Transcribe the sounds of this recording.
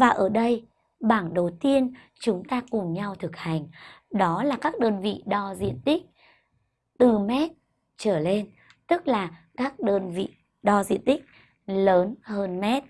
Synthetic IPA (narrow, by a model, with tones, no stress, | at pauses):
vaː˨˩ʔəː˧˩ɗə˧j | ɓaː˧˩nɗə˨˩wt̪i˧ən | t͡ɕʊ˨˦ŋ͡mt̪aː˧kʊ˨˩ŋ͡mɲa˧wt̪ʰɨ˨˩k̚ha˨˩jŋ̟ɗɔ˨˦laː˨˩kaː˦˥k̚ɗəː˧nvḭ˧˨ɗɔ˧zḭ˧˨ənt̪ï˦˥k̚ | t̪ɨ˨˩mɛ˦˥t̚ | t͡ɕəː˧˩le˧n | t̪ɨ˦˥k̚laː˨˩ | kaː˦˥k̚ɗəː˧nvḭ˧˨ | ɗɔ˧zḭ˧˨ənt̪ï˦˥k̟̚ | ləː˨˦nhəː˧nmɛ˦˥t̚